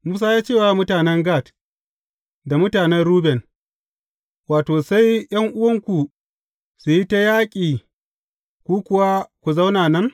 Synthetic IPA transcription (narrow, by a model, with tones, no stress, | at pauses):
muː˦s̬aː˦jaː˦t͡ʃeː˦˨wa˨mʊ˦taː˨nɛ˦ŋɡa˦˨t | da˨mʊ˦taː˨nɛ˦nɽuː˦bɛ˨n | waː˨toː˨sa˦jj̰ɐ˦ŋʔʊ˦wɐ˦ŋkʷu˨ | su˨ji˦ta˦jaː˦kʲʼiː˨ | kʷuː˦kʷʊ˨wa˦kʷu˨za˦wnaː˨nɐ˦ŋ